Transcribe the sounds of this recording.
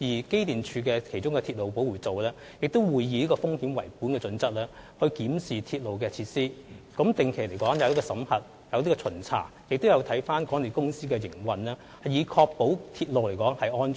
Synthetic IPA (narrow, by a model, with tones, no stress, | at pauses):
jiː˨˩ke˥jt̪iː˨nt͡ʃʰyː˨˧kɛː˧kʰe˨˩jt͡ʃʊ˥ŋkɛ˧t̪ʰiː˧t̚lo˨wpo˨˥wuː˨˩t͡so˨wlɛː˥ | jɪ˨k̚t̪o˥wwuː˨jːiː˧niː˥kɔː˧fʊ˥ŋhiː˨˥mwɐ̰˨˩jpuː˨˥nkɛː˧t͡sɵ˨˧nt͡sɐ˥k̚lɛː˥hɵ˧ɥkiː˨˥msiː˨˩t̪ʰiː˧t̚lo˨wkɛː˧t͡sʰi˧t̚siː˥kɐ˨˥mt̪ɪ˨ŋkʰe˨˩le˨˩jkɔː˨˥ŋjɐ˨˧wli˥kɔ˧sɐ˨˥mhɐ˨t̚ | jɐ˨˧wt̪iː˥kɔː˧t͡sʰɵ˨˩nt͡sʰa̰ː˨˩ | jɪ˨k̚t̪o˥wjɐ˨˧wt̪ʰɐ˨˥jfaː˥nkɔː˨˥ŋne˨˩kʊ˥ŋsiː˥kɛː˧jɪ˨˩ŋwɐ˨nlɛː˥ | hɐ˨jiː˨˧kʰɔː˧k̚po˨˥wt̪ʰiː˧t̚lo˨wle˨˩jkɔː˨˥ŋhɐ˨jʔɔː˥n˨